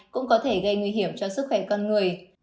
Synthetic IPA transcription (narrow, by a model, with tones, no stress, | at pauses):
kʊ̰˧˥ŋ͡mkɔ˨˦t̪ʰe˧˩ɣə˧jŋwi˧ɦi˧˩əmt͡ɕɔ˧sɨ˦˥k̚xwɛ˧˩kɔ˧nŋɨ˨˩əj